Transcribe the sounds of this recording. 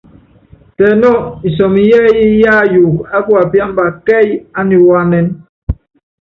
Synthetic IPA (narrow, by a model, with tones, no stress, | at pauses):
tɛ˨nɔ˦˨i˨s̬ɔ˨mi˨jɛː˦ji˦ja˦juː˨ka˦ku˦a˨pja˦m˦ba˨kɛ˦˨ja˦ni˨wa˦nɛ˦n